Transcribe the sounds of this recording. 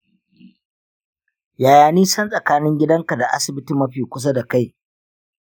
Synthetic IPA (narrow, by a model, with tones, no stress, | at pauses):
jaː˨jaː˨niː˦sɐ˦nsʼɐ˨kaː˦nɪ˦ŋɡʲɪ˦dɐ˦ŋka˨da˨ʔa̰˦sɪ˨bɪ˦ti˦mːɐ˦ɸiː˨kʷʊ˦s̬a˦da˨ka˦j